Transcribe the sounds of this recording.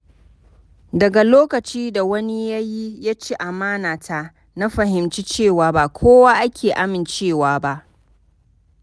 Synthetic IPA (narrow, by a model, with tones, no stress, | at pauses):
dɐ˨ɡa˨loː˦kɐ˨t͡ʃiː˦da˨wɐ˦ni˦ja˦ji˦ja˦t͡ʃi˦ʔa˨maː˦naː˨tʰa˦ | na˦ɸɐ˨ɦɪ˨mt͡ʃi˦t͡ʃeː˦˨waː˨ba˦˨kʷʰoː˦waː˦ʔa˦kʲʰeː˨ʔa˦mɪ˨nt͡ʃeː˦˨waː˨ba˦ʔ